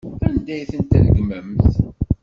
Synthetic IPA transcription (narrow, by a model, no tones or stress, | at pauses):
ænd̪æjθənt̪æ̰ðɡməmθ